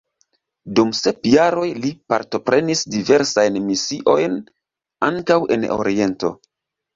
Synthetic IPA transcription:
dumse̞pjaɾo̞jlipa̰ɾto̞pɾe̞nisdive̞ɾsajnmisiʔo̞jn | aŋkawʔe̞̰no̰ɾie̞nto̞̰

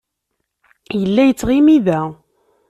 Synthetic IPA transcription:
jəlːæjət͡sːʁimiðæ

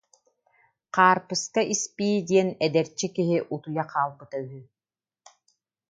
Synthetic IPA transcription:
qaːɾpɯskaʔispiːd̪ʲiɛnɛd̪ɛɾt͡ɕːikiɦiʔut̪ujaqʰaːlˠbɯt̪ayɦy

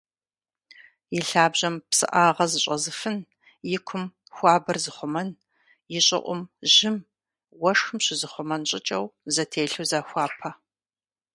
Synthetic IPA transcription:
jɪɬaːbʑɐmpsɨ̰ʔaːʁɐzɨɕʼɐzɨfɨn | jɪkʷʰʊm | xʷɑːbɐrzɨχʷʊmɐn | jɪɕʼɪ̰ʔʷʊ̰mʑɪm | wɐʂxɨmɕɪzɨχʷʊmɐnɕʼɪt͡ʃʼɐwzɐtʰeːɬuwzaːxʷɑːpʰɐ

